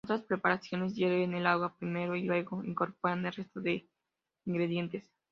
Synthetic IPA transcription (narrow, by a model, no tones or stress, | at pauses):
ot̪ɾaspɾe̞paɾasjo̞ne̞s̬jeβeenelaɣwapɾime̞ɾo̞ilwe̞ɣo̞ḭŋko̞ɾpo̞ɾanelre̞st̪o̞ðe̞ | iŋɡɾe̞ðje̞nt̪e̞s